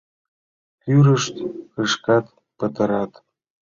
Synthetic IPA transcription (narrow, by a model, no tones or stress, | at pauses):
kyɾəʃt̪kəʃkɑt̪ | pə̆t̪ɤ̆ɾɑt̪